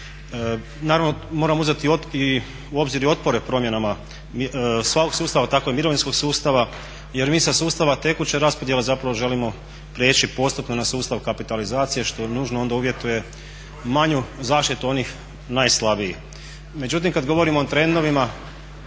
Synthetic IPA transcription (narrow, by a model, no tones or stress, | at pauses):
naːɾaʋnomo̞ːɾamuzet̪ii | uo̞bziɾio̞t̪̚po̞ɾe̞pɾo̞mje̞nama | sʋako̞ɡ̥suːst̪aʋat̪ako̞emiɾoʋinsko̞ɡsuːst̪aʋa | je̞ɾmiːsasuːst̪aʋat̪e̞kut͡ɕeɾaspo̞d̪je̞lezapɾaʋo̞ʒe̞limo̞ | pɾeːt͡ʃipo̞st̪upnonasuːst̪aʋkapit̪alizaːt̪sije̞ʃt̪o̞nuːʒnoo̞nd̪auʋje̞t̪uje̞ | maɲuzaːʃt̪it̪uo̞nix | najslˠabiji | me̞d͡ʒut̪̬imkad̪ɡo̞ʋo̞ɾimoːt̪ɾe̞nd̪o̞ʋima